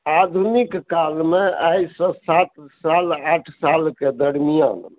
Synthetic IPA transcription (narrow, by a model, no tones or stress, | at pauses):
ad̪ʱunikːalmeʔajsə̃sat̪salaʈʰsalked̪əɾmija̰nmḛ